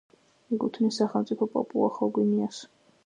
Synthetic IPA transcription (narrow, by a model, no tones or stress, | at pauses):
iɡut̪ʰnisaχɛlmt̪sʼipʰɔpʼɔ̰pʼulˠa̰χɔɡwimias